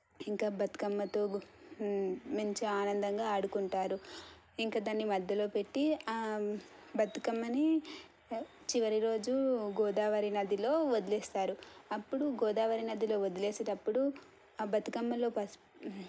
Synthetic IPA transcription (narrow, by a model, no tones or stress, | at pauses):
iŋkaːbɐt̪i̥kɐmːɐt̪o̞ː | mɐɲt͡ʃeaːnɐnd̪ɐŋɡaːɐɽukuɳʈaːɾu | iŋkaːd̪anːimɐd̪ʱjɐlo̞ːpe̞ʈːi | bɐt̪ukɐmːɐni | t͡ʃiʋɐɾiɾo̞ːd͡ʒuɡɔːd̪aːʋɐɾinɐd̪ilo̞ːʋod̪ileːst̪aːɾuɐpːuɽuɡɔːd̪aːʋɐɾinɐd̪ilo̞ːʋod̪ileːsɐʈɐpːuɽu | bɐt̪ukɐmːɐlo̞ːpɐs